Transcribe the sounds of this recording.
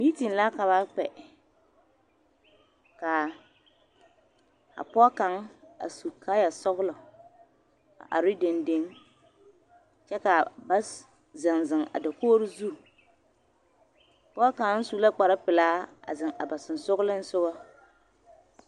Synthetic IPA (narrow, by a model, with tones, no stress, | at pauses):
mi˦ti˨n˨la˦ka˨βa˦k͡pɛ˨ | ka˨ | a̰˨pɔ˦ka˨˦ŋa̰˨su˨kʰa˦ja˨sɔ˦ɣlɔ˨ | a̰˨ʔa̰˨ɾi˦de˨nde˦ŋ | t͡ʃɛ˦ka˨ba˦s | zɪ˨ŋzɪ˨ŋa̰˨da˨koː˦ɾɪ˦zu˦˨ | pɔ˦ka˨ŋ˦n̩˦su˨la˦k͡pa˨ɾɪ˦pɪ˨laː˦a̰˨zɪ˨ŋa̰˨ba˨sɪ˨n̩˨sʊ˦ɣʊ˦lɪ˦n̩˦sʊ˦ba˦